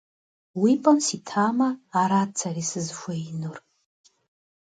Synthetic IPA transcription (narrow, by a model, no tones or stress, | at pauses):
wipʼansitʰamaːɾat͡sʰaɾisɨzʒʷainɨr